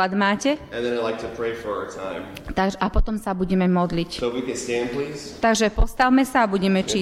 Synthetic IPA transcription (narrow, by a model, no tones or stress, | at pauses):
ad̪maːcɛɨ̃nðɨ̃naɪlaɪk̚tʰɨpʰɹeɪfə˞aə˞tʰã̰ɪ̃m | t̪aɡʒɛʔapɔt̪ɔmsabuɟɛmɛmɔd̪licsowikɨ̃nstæ̃npʰliːz̥t̪aɡʒɛpɔst̪awmɛsaːbuɟɛmɛt͡ʃi